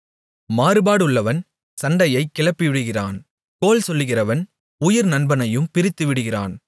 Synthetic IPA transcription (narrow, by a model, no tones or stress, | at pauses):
maːɾɯbaːɽɯɭːɐʋɐn | sɐɳɖɐjɐɪkːɪɭɐpːɪʋɪɽɯɣɪraːn | koːlsɔlːɯɣɪrɐʋɐn | ʊjɪɾnɐnbɐnɐjɯmpɪɾɪt̪ːɯʋɪɽɯɣɪra̰ːn